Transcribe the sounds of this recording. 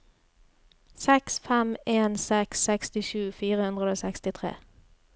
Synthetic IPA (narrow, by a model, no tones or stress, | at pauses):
sɛksfɛmeːnsɛksɛkst̪ɪʃʉːfiːʁəhʉnʁəoːsɛkst̪ɪt̪ʰʁḛː